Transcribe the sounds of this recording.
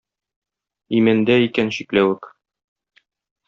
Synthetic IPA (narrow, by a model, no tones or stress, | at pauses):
imænd̪æikænɕiklæwɘk